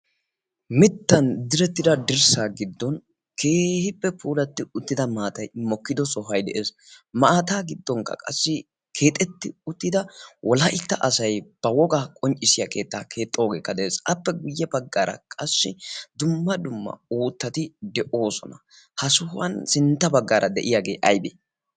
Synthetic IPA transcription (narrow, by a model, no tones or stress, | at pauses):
mɪt̪ːɐnd̪ɪɾɛt̪ːɪd̪ɐd̪ɪɾsaːɡɪd̪ːɔn | kʰeːhɪpːɛpʰuːlɐt̪ːɪʊt̪ːɪd̪ɐmaːt̪ɐjmɔkːɪd̪ɔsɔɦɐjd̪ɛʔeːs | mɐaːt̪aːɡɪd̪ːɔŋkɐ̰kʼɐsːɪ | kʰe̞ːt̪ʼɛt̪ːɪʊt̪ːɪd̪ɐwʔɔlɐʔɪt̪ːɐʔɐsɐjb̥ɐwɔɡaːkʼɔnt͡ʃʼːɪsɪjakʰe̞ːt̪ːaːkʰe̞ːt̪ʼːoːɡe̞ːkːɐd̪ɛʔeːsɐpːɛɡʊjːɛbɐɡːaːɾɐ̰kʼɐsːɪd̪ʊmːɐd̪ʊmːɐ̰uːt̪ːɐt̪ɪd̪ɛʔo̞ːsɔ̰nɐ | hɐsʊhɐnsɪnt̪ːɐbɐɡːaːɾʔɐd̪ɛʔɪjaːɡe̞̰ːʔɐjbe